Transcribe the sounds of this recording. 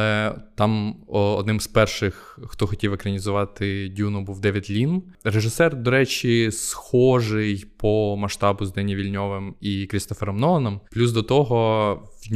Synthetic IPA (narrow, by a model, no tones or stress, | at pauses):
ɛt̪ɑmɔɔd̪nɪmspɛrʂɪx | xt̪ɔxɔtʲiwekɾɐnʲizʊʋɑt̪ɪdʲunʊbuwd̪ɛʋʲjɐtʲlʲin | ɾeʒɪsɛrd̪ɔɾɛt͡ʃʲisxɔʒɪjpɔmɐʃt̪ɑbʊzd̪ɛnʲjiʋʲilʲnʲɔʋɪmikɾʲist̪ɔfeɾɔmnɔɐnɔmplʲuzd̪ɔt̪ɔɦɔʋʲnʲ